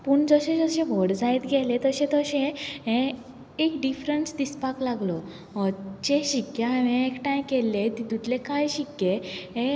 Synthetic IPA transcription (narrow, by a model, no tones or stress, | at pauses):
puːɳd͡zəɕẽəɕẽbʱɔɽd͡zajt̪ɡʱɛlet̪əɕɛ̃t̪əɕẽɦẽ | ekɖifɾənsd̪ispaklaɡlɔ | t͡ɕeɕikːjaʋẽekʈãjkɛlːet̪it̪ut̪lekajɕikːjeɦẽ